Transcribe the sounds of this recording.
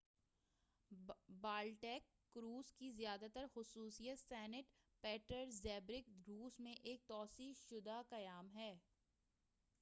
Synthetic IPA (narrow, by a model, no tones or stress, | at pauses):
baːlʈɛːkːɾuːzkizjaːd̪at̪əɾxʊsuːsijət̪sɛːnɪʈ | pɛːʈəɾzɛːbɾɪkɾuːzmẽʔeːk̚t̪ɔːsiːʃʊd̪akɐjaːmɦɛː